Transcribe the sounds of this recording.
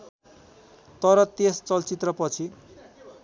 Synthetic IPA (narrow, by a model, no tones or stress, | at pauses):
t̪ʌɾʌt̪est͡sʌlt͡sit̪rʌpʌt͡sʰi